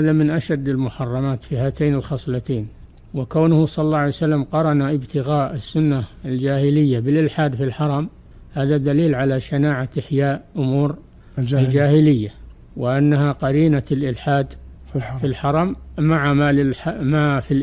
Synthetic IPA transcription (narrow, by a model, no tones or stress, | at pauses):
haːðamɪnʔaʃad̪ːalmʊħɑrˤːɑmaːt̪fihaːt̪eːnɪlxɑsˤlɪt̪eːn | wɪkawnʊhsˤɑlːɑʕajsalːamqɑɾˤɑnaʔɪbt̪ʰɪɣaːʔɪsːʊnːaald͡ʒaːhɪlɪjːabɪlʔɪlħaːd̪filħɑɾˤɑm | haːðad̪aliːlʕalaʃanaːʕaʔɪħjaːʔʔʊmuːɾ | ald͡ʒaːhɪlɪjːa | wɪʔanːahaqɑɾiːnalʔɪlħaːd̪ | filħɑɾˤɑmːaʕamaɪmafil